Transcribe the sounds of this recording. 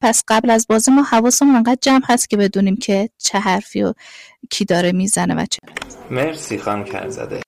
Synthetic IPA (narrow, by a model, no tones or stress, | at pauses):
pʰæsɢ̥æblæzbɒːzimɒːhævɒːsomeŋɢæːd̪̚d͡ʒæmhæst̪̚cʰʲe̞be̞d̪uːniːmcʰet͡ʃʰeɦæɾfiːo | cʰiːd̪ɒːɾemiːzæne̞væ̰t͡ʃʰeæmeɾsiːxɒːncʰæ̰ɾzæ̰d̪e